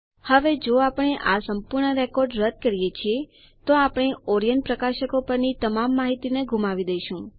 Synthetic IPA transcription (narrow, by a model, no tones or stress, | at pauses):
həʋed͡ʒoapəɳ̃eʔasəmpuɾɳəɾekɔɾɖɾəd̪̚kəɾijet͡ʃʰie | t̪oapɳ̃eɔɾijən̚pɾəkaʃəkopəɾnit̪əmamːaɦit̪ineɡʱũmaʋid̪əjʃũ